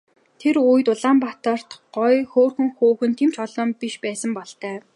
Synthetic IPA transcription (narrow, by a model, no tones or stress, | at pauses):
t̪ʰeɾujt̪ʊɮaːmpat̪ə̆r̥t̪ɢɔjxoːrxɵ̆ŋxuːxɘ̆nt̪ʰem̥t͡ɕɔɮɞ̆mpiʃpæːsə̆mpɔɮt̪æː